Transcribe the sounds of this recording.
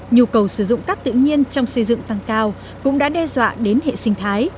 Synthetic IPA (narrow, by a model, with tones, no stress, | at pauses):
ɲi˨˩əkə˨˩wsɨ˧˩zʊ̰˧˨ŋ͡mkaː˦˥k̚t̪ɨ̰˧˨ɲi˧ənt͡ɕɔ˧wŋ͡msə˧jzɨ̰˧˨ŋt̪a˧ŋkaː˧w | kʊ̰˧˥ŋ͡mɗa̰ː˧˥ɗɛ˧zwa̰ː˧˨ɗe˨˦nhḛ˧˨sï˧ŋ̟t̪ʰaː˨˦j